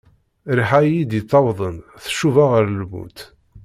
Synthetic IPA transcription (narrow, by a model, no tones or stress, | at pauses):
ɾħajid̪it̪ˤːɑwðˤənθʃuvaʁəɾlmṵt̪